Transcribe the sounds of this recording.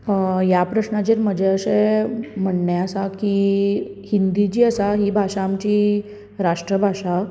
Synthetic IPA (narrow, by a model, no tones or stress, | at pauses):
japɾəɕnat͡ɕeɾməd͡ʑɛəsem̤əɳɳɛəsaki | hind̪id͡ʑiːəsaɦibʱaʂaːmt͡ɕiː | ɾaʂʈɾəbʱaʂa